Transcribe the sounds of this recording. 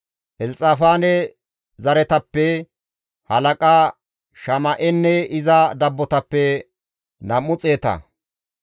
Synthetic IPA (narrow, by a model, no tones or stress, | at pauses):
ʔɛlt͡sʼaːfaːnɛ | zɐɾɛt̪ɐpːɛ | hɐlɐkʼaː | ʃɐmɐʔɛnːɛɪzɐd̪ɐbːɔt̪ɐpːɛ | nɐmːʊt͡sʼe̞ːt̪ɐ̰